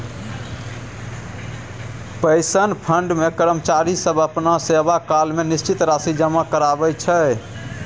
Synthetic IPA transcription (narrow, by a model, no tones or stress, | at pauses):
pəɪsənpʰəɳɖmekəɾəmt͡ʃaɾisəbəpnasebakalmenist͡ʃit̪ɾasid͡ʒəmakəɾabɛt͡ʃʰə